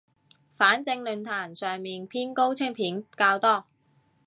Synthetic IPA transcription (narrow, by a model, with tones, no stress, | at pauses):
faː˨˥nt͡sɪ˧ŋlɵ˨˩nt̪ʰaː˨˩nsœː˨ŋmiː˨npʰiː˥nko˥wt͡sʰɪ˥ŋpʰiː˨˥nkaː˧wt̪ɔː˥